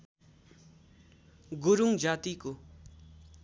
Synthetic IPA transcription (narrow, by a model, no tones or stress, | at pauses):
ɡuɾuŋd͡ʑat̪iko